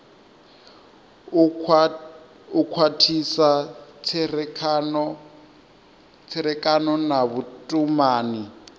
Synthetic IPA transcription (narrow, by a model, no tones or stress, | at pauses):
ukʰwatʰisat͡sʰɛrʰnɔ | t͡sʰɛɾɛkʼanɔnaβutʼumaːni